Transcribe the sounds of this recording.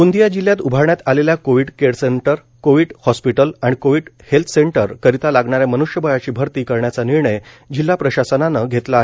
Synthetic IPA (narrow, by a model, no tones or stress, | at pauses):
und̪ijad͡ʑiljat̪ubʱaɾɳjat̪aleljakoʋiɽkeɾseɳʈəɾ | koʋiːɽhɔspiʈəlaɽ̃ikoʋiɽhelt̪ʰseɳʈəɾkəɾit̪alaɡɳaɾjamənuʂjəbojat͡ɕiːbʱəɾt̪iːkəɾɳjat͡saniɾɳəj | d͡ʑilːapɾəɕasənanəɡʱet̪laːɦe